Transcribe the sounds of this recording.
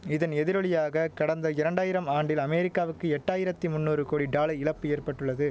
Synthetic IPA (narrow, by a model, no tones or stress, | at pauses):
ɪðɐnɛðɪɾɔɭɪjaːɣɐkɐɽɐnd̪ɐɪɾɐɳɖaːjɪɾɐmaːɳɖɪlɐmɛɾɪkːaːʋɯkːɯɛʈːaːjɪɾɐt̪ːimʊnːuːɾɯkoːɽiɖaːlɐɪɪɭɐpːɯeːrpɐʈːɯɭːɐðɯ